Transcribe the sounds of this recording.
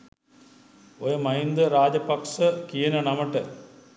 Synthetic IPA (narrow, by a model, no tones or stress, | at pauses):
ojɐmɐjind̪əɾaːd͡ʑɐpɐkʂəkijɐnɐnɐmɐʈə